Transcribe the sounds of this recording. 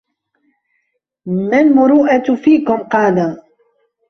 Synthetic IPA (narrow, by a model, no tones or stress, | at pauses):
malmʊɾuːʔafiːkʊmqɑːla